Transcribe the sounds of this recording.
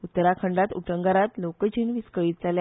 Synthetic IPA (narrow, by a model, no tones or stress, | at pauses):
ut̪ːəɾakʰəɳɖat̪ṵʈəŋɡaɾat̪lokət͡ɕʰiːnʋiskəɭiːt̪̚d͡zalja